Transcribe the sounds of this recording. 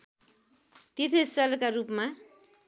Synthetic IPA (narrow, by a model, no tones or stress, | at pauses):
t̪it̪ʰisʌlkarupma